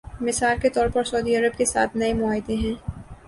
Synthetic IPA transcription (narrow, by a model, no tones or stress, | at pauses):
mɪsaːlket̪ɔːɾpɐɾsɐːd̪iɐɾəbkesa̰ːt̪ʰnɐemʊaːɪd̪ẽɦɛ̃ː